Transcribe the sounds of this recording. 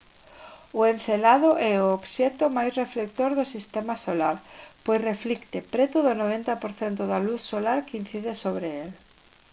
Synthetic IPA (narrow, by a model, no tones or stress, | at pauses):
ʊenθelaðʊʔɛʊobʃɛt̪ʊmajsreflek̚t̪oɾðʊsist̪ɛmasolaɾpojsreflikt̪ɪpɾɛt̪ʊðʊnoβɛnt̪ɐpoɾθɛnt̪ʊðaluθsolaɾkin̟θiðɪsoβɾeel